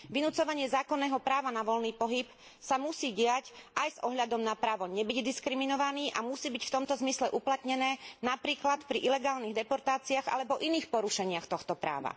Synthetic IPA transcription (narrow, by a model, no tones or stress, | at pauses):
ʋinut͡sɔʋaɲɪɛzaːkɔnːɛːɦɔpɾaːʋanaʋɔlniːpɔɦip | samusiːɟɪacʔajzʔɔɦʎad̪ɔmnapɾaːʋɔɲɛbiɟd̪iskɾiminɔʋaniːʔamusiːbicft̪ɔmt̪ɔzmislɛʔuplat̪ɲɛnɛːnapɾiːklat̪pɾiʔilɛɡaːlniɣd̪ɛpɔɾt̪aːt͡siaɣa̰lɛbɔʔiniːxpɔɾuʃɛɲɪaxt̪ɔxt̪ɔpɾa̰ːʋa̰